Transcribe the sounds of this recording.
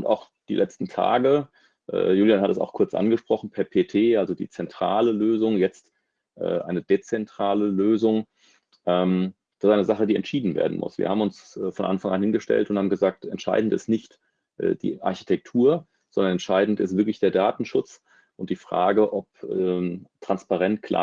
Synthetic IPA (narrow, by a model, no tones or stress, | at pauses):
ʔʊnta̰ʊx | d̥ḭːlʔɛt͡stn̩tʰa̰ːɡə | ʔɛ̰ːjuːljahatɛsa̰ʊxkʰʊɐt͡sʔa̰nɡəʃpʁ̥ɔχn̩pʰɛɐpʰeːtʰeːʔalzodḭːt͡sɛntʁ̥aːləløːzʊŋjɛt͡st | ʔɛ̰ːʔaɪnədet͡sɛntʁ̥aːləløːzʊŋ | ʔɛːm | d̥assʔaɪnəzaχədiːɛ̰ntʃiːdn̩vḛːɐdn̩mʊ̰sv̥ḭːɐhaːbmʊnsfɔnʔa̰nfaŋanhɪnɡəʃtɛ̰ltʊnthaːbm̩ɡəzaːk̚tɛ̰ntʃa̰ɪdn̩tɪstnɪçt | ʔɛ̰ːd̥ḭːʔa̰ɐçi̥tʰɛk̚tʰuːɐ | z̥ɔndɐnɛntʃaɪdn̩tɪstv̥ɪɐklɪçd̥eːɐdaːtn̩ʃʊt͡s | ʔʊnt̚d̥iːfʁ̥a̰ːɡəʔɔp̚ː | tʁ̥anspaʁɛntkʰla̰